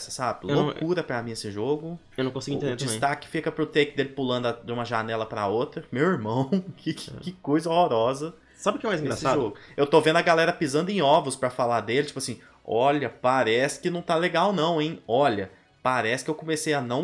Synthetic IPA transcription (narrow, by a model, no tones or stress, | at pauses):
sɐ̥sabɪlwlnõkuɾɐpɾɐmĩesɪʒoɡʊewnɐ̃kõsiɡʊ̃ĩẽd̪ed͡ʒisẽt̪akɪ̥fikɐpɾʊt̪ejkɪd̪elɪpulɐ̃d̪ɐd͡ʒ̪ɪũmɐʒanɛlɐpɾɐ̰ot̪ɾɐmewiɾmɐ̃w̃kʰɪkɪkojzɐohoɾɔzɐ | sabɪʊkɪɛmajzĩɡɾasɪsaʒʒoɡʊewt̪ovẽnd̪ʊɐɡalɛɾɐpizɐ̃nd̪ʊẽɔvʊspɾɐfalad̪elɪt͡ʃipʊasĩ | ɔʎɐpaɾɛsɪ̥kɪnɐ̃w̃t̪aleɡawnɐ̃w̃ẽj̃ɔʎɐ | paɾɛsɪ̥kɪewkõmesejɐnɐ̃w̃